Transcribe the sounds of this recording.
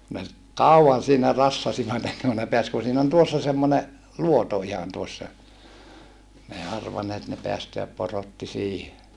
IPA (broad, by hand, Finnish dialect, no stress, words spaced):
ne kɑuɑn siːnæ rɑsːɑsiʋɑt enːeŋ ku ne peæs ku siːn on tuosːɑ semːone luoto ihɑn tuosːɑ n ei ɑrʋɑnːeːt ne peæsteæp porotːi siːhe